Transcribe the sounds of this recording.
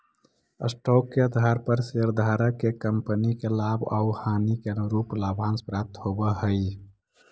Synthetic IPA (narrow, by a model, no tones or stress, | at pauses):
ə̰sʈɔːkːeəd̪ʱaɾpəɾseɾd̪ʱaːɾəkekəmpənikelaːba̰ʊhaːnikeɾuːplaːbʱãːnspɾaːp̚t̪ɦobəɦəi